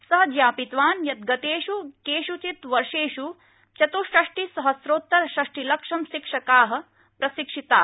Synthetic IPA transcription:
sɐɦɐd͡ʒ̪jaːpit̪ʋaːnjɐt̪̚ɡɐt̪eːʃukeːʃut͡ʃit̪ʋɐɾʂeːʃu | t͡ʃɐt̪uʃɾɐʂʈisɐɦɐsɾoːt̪ːɐɾɐʃɾɐʂʈilɐkʂɐmʃikʂɐkaːɦɐ̆ | pɾɐsikʂit̪aː

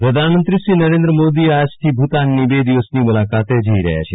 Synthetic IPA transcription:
pɾəd̪ʱanmənt̪ɾisɾiːnəɾẽnd̪ɾəmod̪iad͡ʒt̪ʰibʱut̪anːibed̪iʋəsnimulakat̪ed͡ʒəiɾə̰ɦja̰t͡ʃʰe

